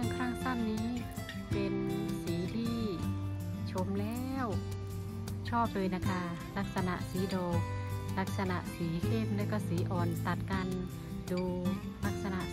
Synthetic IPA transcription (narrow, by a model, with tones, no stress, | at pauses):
a˧˥˩ŋkʰaː˥˩ŋsa˥˩mniː˦˥ | pe˧nsiː˨˩˦t̪ʰiː˥˩ | t͡ɕʰo˧˥mlɛː˧˥˧w | t͡ɕʰɔː˥˩p̚lɤː˧jna˧˩kʰa˧˥˩ | la˦˥k̚sa˧na̰˧˨ʔsiː˨˦dɔː˧˩k̚la˦˥k̚sa˧na̰˧˨ʔsiː˩˦kʰe˥˩m̚lɤː˧˥˩kɔː˧˩siː˨˩˦ʔɔː˨˩nt̪a˨˩t̪̚ka˧n | duː˧ | la˦˥˩k̚sa˧na˨ʔ